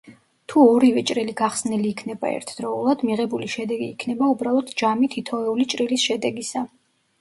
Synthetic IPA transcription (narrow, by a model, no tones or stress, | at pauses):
t̪ʰuɔɾivɛt͡ʃʼɾɛliɡaχsnɛliːkʰnɛba̰ɛ̰ɾt̪ʰd̪̥ɾɔulˠad̪miʁɛbuliʃɛd̪ɛɡḭːkʰnɛbaubɾalˠɔt̪ʰd͡ʒamit̪ʰit̪ʰɔɛulit͡ʃʼɾilisʃɛd̪ɛɡisa